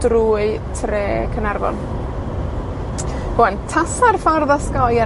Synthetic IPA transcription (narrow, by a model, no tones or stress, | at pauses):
d̥ruːɨtʰreːkʰənarvɔ̰n | b̥oːɛntʰasarfarðɔskɔja